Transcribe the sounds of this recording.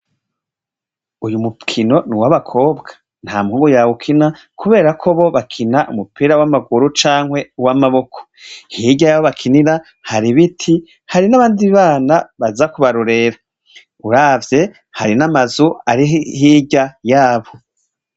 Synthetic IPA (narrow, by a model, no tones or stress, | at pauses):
ujumukʰino̞niwaβakʰo̞ːbɡḁ | n̥haːmŋuːɡojaːβukʰina | kuβe̞ːɾakʰo̞βo̞βakʰinaʔṵmupʰiːɾawamaɡuɾut͡ʃaːŋhwe̞uwamaβo̞kʰo̥hiɟajaːβoβakʰiniɾa | haɾiβitʰi | haɾinaβaːndiβaːnaβazakuβaɾuɾe̞ɾa | uɾaːvje̞ | haɾinamazuaɾihiːɟajaːβo